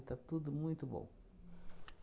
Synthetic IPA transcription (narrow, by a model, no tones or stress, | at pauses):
t̪at̪ud̪ʊmũj̃t̪ʊbõ̰w̃